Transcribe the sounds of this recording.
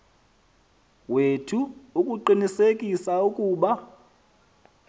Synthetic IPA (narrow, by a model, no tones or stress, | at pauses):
wetʰuːkʼuǃinisekʼisaukʼuːɓa